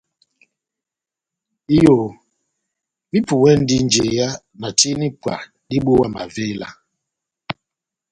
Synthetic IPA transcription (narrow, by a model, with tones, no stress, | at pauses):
i˦jo˨ | mi˦pu˨wɛ˦n̩˦di˦n˦d͡ʒe˨ja˦ | na˨ti˦ni˦pwa̰˨ | di˦ɓo˦wa˦˨ma̰˨ve˦la̰˦